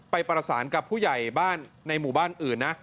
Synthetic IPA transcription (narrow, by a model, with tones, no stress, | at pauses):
pa˧jpɾa˧saː˩˦nka˨˩pʰːuː˥˩ja˨˩jbaː˥˩nːa˧jmuː˨˩baː˥˩nʔɯː˨˩nːa˦˥ʔ